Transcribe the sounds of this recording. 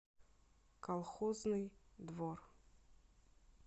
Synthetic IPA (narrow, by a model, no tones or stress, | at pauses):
kʰalˠχɔznɨjd̪vor